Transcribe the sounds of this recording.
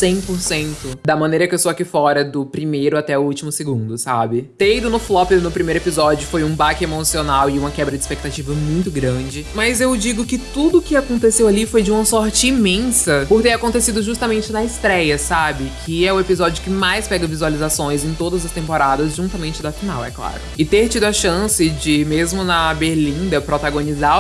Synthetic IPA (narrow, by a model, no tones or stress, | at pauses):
sẽj̃poɾsẽnt̪ʊd̪ɐmɐ̃nejɾɐkɪewsoakifɔɾɐd̪ʊpɾimejɾʊat̪ɛʊut͡ʃimʊsɪɡũnd̪ʊsa̰bɪt̪ẽid̪ʊnʊflɔpɪnʊpɾimejɾʊepizɔd͡ʒʊfojũbakɪemosionawɪũmɐkɛbɾɐd͡ʒɪi̥spek̚t̪at͡ʃivɐmũj̃t̪ʊɡɾɐ̃d͡ʒɪmɐzewd͡ʒiɡʊkɪt̪ud̪ʊːkɪakõnt̪esewalifojd͡ʒɪũmɐsɔɾt͡ʃɪːmẽsɐpʊɾt̪eɾakõnt̪esid̪ʊʒust̪ɐmẽnt͡ʃɪnɐɪst̪ɾɛjɐsabɪkʰɪɛʊepizɔd͡ʒɪʊkɪmajspɛɡɐvizualizasõj̃zẽj̃t̪od̪ɐzɐst̪ẽmpoɾad̪ɐzʒũt̪ɐmẽnt͡ʃɪd̪ɐfina̰wɛ̰kla̰ɾʊɪt̪eɾt͡ʃid̪ʊɐʃɐ̃sɪd͡ʒɪmezmʊnɐbeɾlĩnd̪ɐpɾot̪aɡõniza